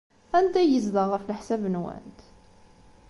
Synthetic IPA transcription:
ænd̪æjəzðəʁəflħsævənwæ̰nt̪

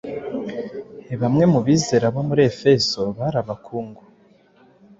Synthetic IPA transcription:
eβamŋe̞muβiːze̞ɾaβo̞muɾiefe̞zo̞βaɾaβakʰuːŋɡo

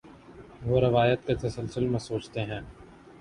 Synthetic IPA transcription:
ʋoːɾɪʋaːjət̪̚ket̪ɐsəlsʊlmẽsoːt͡ʃt̪eɦɛ̃ː

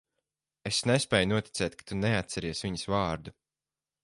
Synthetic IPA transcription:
esnespʲɛːjnuɔt̪ʲi̥t̪sɛːt̪̚kḁt̪uneat̪sɛɾiɛsviɲəsvaːɾd̪u

